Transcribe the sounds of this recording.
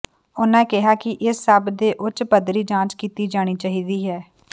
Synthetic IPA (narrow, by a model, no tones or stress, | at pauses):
ʊnãːkɪɦaːkɪʔɪsːəbd̪eːʔʊt͡ʃpəd̪ɾiːd͡ʒãːt͡ʃkiːt̪iːd͡ʒaːɽ̃iːt͡ʃaːɦiːd̪iːɦɛː